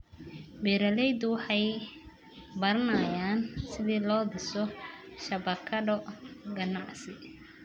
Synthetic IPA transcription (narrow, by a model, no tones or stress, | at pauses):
bɛːɾɐlɛjd̪wʊħɑj | bɐɾɐnɐjaːnsɪðiːlɔːd̪ɪsɔʃɐbɐkʰɐdɔɡɐnɑʕsɪ